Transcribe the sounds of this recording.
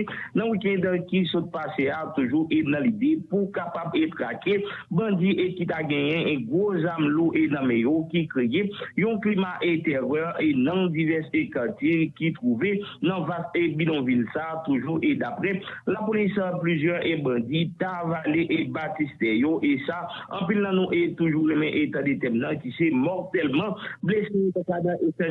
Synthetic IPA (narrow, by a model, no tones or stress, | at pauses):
nɐ̃wikɛ̃d̪kisot̪̚paseat̪uʒuʔenɐ̃lid̪epukapabet̪ʁakebɐ̃d͡ziʔekit̪aɡɛ̃jɛ̃ɡʁozamluʔenãmejokikʁejejɔ̃klimaʔẽt̪ɛvɛʔenɔ̃divɛsekaʁtjekit̪ʁuvenɐ̃vasebilɔ̃vilsaːt̪uʒuʔed̪apʁɛlapolisaplyzjœʁebãd͡zit̪avaleʔebatist̪ɛjoʔesaɐ̰̃pilnɐ̃nũʔet̪uʒulɛ̃mɛ̃ʔet̪ãd̪et̪ɛmnɐ̃kisemɔʁt̪ɛlmɑ̃blesejot̪akanãʔeta